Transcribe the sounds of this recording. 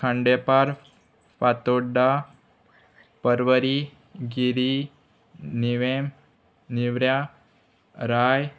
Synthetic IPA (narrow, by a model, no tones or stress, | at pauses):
kʰãɳɖepaɾ | pat̪oɖa | pəɾʋəɾi | ɡiɾi | niʋem | niʋɾja | ɾaj